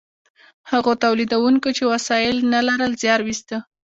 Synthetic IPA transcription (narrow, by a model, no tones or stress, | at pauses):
haɣot̪awlid̪awuŋkot͡ʃewasɑjɪlnalaɾəlzjɑɾwist̪ə